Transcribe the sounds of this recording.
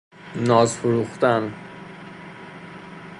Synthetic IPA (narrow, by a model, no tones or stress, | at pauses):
nɒːzfoɾuːχt̪æn